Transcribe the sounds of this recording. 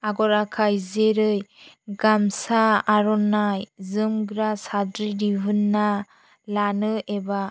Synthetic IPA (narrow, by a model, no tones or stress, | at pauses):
aɡɔɾakʰajzeɾɯj | ɡamsaːɾɔnajzɯmɡɾasadɾiɾibʱɯnːa | lanɯʔeba